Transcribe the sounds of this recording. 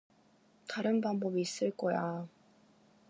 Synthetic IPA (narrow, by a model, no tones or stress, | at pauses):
taɾɯnbaŋbʌbiːs͈ɯɭk͈ʌja